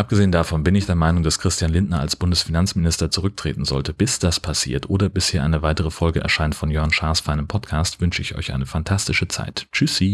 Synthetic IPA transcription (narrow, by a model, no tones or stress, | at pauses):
ʔap̚ɡ̥əzeːəndafɔnbɪnɪçd̥eːɐmaɪnʊŋd̥askʁ̥ɪstjanlɪntnɐa̰lsb̥ʊndəsfinant͡smɪnɪstɐt͡suʁʏk̚tʁ̥ḛːtn̩zɔ̰ltəb̥ɪsd̥aspʰasḭːɐtʔoːdɐbɪsheːɐʔa̰ɪnəvaɪtəʁ̞əfɔlɡəʔɛ̰ɐʃaɪntfɔnjœɐnʃaɐsfaɪnɪmpʰɔtkʰaːstv̥ʏnʃəɪçʔɔ̰ʏçʔaɪnəfantʰastɪʃət͡sa̰ɪtt͡ʃysi